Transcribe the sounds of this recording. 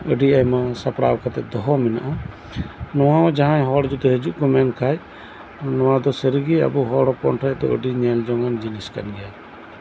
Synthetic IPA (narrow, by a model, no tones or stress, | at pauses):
əɖiajmasapɽa̰wkʰat̪ɛt̪̚d̪ɔɦɔmɛna̰ʔa | nɔwaɔ̃d͡ʒaɦãjɦɔɽd͡ʒut̪ɛɦəd͡ʒuʔkɔmɛnkʰaj | nɔ̃wad̪ɔsəɾiɡia̰buɦɔɽɔpɔ̰nʈʰajd̪ɔ̰əɖiɲɛld͡ʒɔŋand͡ʒiniska̰nɡɛja